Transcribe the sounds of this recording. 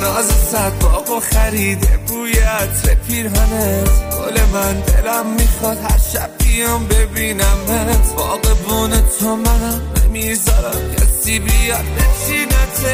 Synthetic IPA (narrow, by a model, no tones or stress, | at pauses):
nɒːzesædɒːboxæɾiːd̪ebuːjæt̪ɾepʰiːɾɦænet̪ho̰lemænd̪elæmːiχɒd̪hæɾʃæbːijɔmbebiːnæmmænet̪bɒːɣebuːnet̪ʰːomænæmɾḛmizɒːɾæmcʰæ̰siːbijɒd̪̚bet͡ʃiːnet̪ʰ